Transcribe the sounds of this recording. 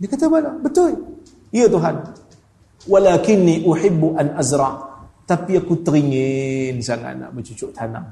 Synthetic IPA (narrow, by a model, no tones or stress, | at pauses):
dikat̪abalabət̪ʊl | ijət̪uɦan | walaːkɪnːiʔʊħɪbːʔanʔazɾˤɑʔt̪apiakut̪əɾiŋensaŋa̰na̰ʔbət͡ʃut͡ʃʊʔt̪ʰana̰ŋ